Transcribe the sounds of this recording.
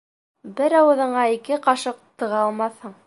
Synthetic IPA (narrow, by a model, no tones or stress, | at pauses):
bɘɾɑwɤ̆ðɤ̆ɴɑikɘqɑʃɤq̚t̪ɤ̆ʁɑɑlˠmɑθhɤɴ